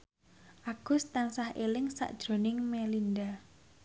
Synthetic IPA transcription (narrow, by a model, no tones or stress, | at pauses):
ʔaɡ̥ʊ̤st̪ansahelɪŋsa̰ʔd̥ʒ̥ɾo̤nɪŋmelinda